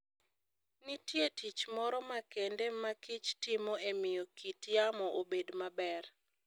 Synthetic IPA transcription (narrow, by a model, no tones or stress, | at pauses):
nitjetit͡ʃmɔɾɔmakendemakɪt͡ʃtɪmoemɪjokitjamɔʔobedmabɛr